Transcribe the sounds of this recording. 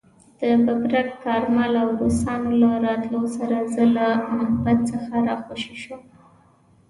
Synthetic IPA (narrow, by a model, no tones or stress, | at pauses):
d̪̥əbabɾak̚kɑɾmalawɾosɑnolaɾɑt̪lawsaɾazəlamahbat̪̚t͡səxaɾɑxoʃiʃum